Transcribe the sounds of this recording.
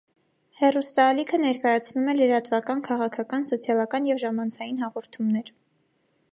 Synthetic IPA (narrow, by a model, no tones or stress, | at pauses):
hɛrust̪ɑːlikʰənɛɾkɑjɑt͡sʰnumɛləɾɑt̪vɑkɑnkʰɑʁɑkʰɑkɑnsɔt͡sʰjɑlɑkɑnjɛvʒɑmɑnt͡sʰɑjinɦɑʁɔɾt̪ʰumnɛɾ